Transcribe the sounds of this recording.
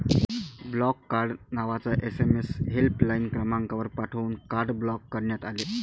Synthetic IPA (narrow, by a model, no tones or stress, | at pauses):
blɔkːaɾɖnaʋat͡saʔesemesɦelplainkɾəmaŋkaʋəɾpaʈʰəuːnkaɾɖblɔkːəɾɳjat̪aleː